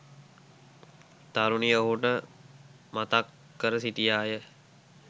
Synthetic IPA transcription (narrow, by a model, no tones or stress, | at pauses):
t̪aɾunijəɦuʈə | mat̪akː | əɾəsiʈijaːjə